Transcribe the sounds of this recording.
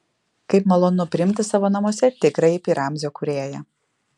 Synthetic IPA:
kɐɪpmɐlˠoːnʊpʲɾʲɪɪmʲt̪ʲɪsɑːʋoːnɐmoɔsʲɛt̪ʲɪkɾɐɪɪpʲiːɾʔɑˑmʲzʲoːkʊɾʲeːjɛ

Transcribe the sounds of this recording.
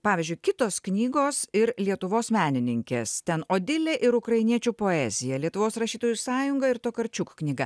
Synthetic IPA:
pɑːʋʲɪzʲd͡ʒʲʊɪkʲɪt̪oːsknʲiːɡoːsɪɾlʲiɛt̪ʊʋoːsmʲæːnʲɪnʲɪŋʲkʲest̪ʲɛnoːd̪ʲɪlʲeːʔɪɾʊkɾɐɪnʲiɛt͡ʃʲuːpoːɛːzʲɪjɛlʲiɛt̪ʊʋoːsɾɐʃʲiːt̪oːjusɑːjʊŋɡɐɪɾt̪oːkɐɾʲt͡ʃʲukknʲiːɡɐ

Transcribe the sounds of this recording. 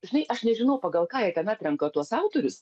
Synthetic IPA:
ʒʲɪnɐɪʔɐʃnʲɛʒʲɪnɐʊpɐːɡɐlˠkɑːjɛt̪ʲɛnɑːt̪ʲɾʲɛŋkot̪uɔsɑʊt̪oːɾʲʊs

